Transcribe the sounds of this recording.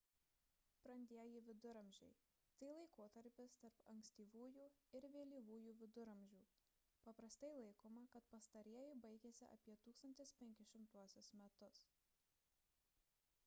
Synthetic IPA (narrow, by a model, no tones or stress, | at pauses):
pɾɐnʲd̪ʲiɛjiʋʲɪd̪ʊɾɐmʲʒʲɛ̰ɪ | t̪ɐɪlˠɐɪkoːt̪ɐɾʲpʲɪst̪ɐɾpɐŋksʲt̪ʲiːʋuːjuːɪɾʋʲeːlʲiːʋuːjuːʋʲɪd̪ʊɾɐmʲʒʲuː | pɐpɾɐst̪ɐɪlˠɐɪkoːmɐkɐt̪pɐst̪ɐɾʲiɛjɪbɐɪɡʲeːsʲɪʔɐ̰pʲiɛt̪uːkst̪ɐnʲt̪ʲɪspʲɛŋʲkʲɪʃʲɪmt̪uɔsʲʊsmʲɛt̪ʊs